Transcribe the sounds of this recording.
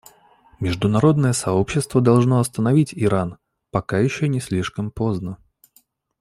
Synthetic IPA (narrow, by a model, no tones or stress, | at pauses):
mʲɪʐd̪ʊnɐɾo̞d̪nəjəsɐo̞pɕːɪst̪vəd̪ɐlˠʐno̞ɐst̪ənɐvʲitʲɪɾan | pɐkajɪɕːonʲɪsʲlʲiʂkəmpo̞znə